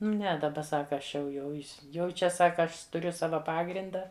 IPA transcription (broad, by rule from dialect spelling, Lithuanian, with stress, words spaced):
ˈnʲɛ dɐˈbɐ ˈsɑːkɐ ˈɐʃ jɛʊ ˈjɛʊ ɪs ˈjɛʊ ˈt͡ʃʲɛ ˈsɑːkɐ ˈɐʃ tʊˈrʲʊ ˈsɑːʋɐ ˈpɑːɡrʲɪndɐ